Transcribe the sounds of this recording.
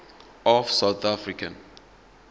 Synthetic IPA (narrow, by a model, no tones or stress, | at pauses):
ɔfsawt̪afɾikə̃n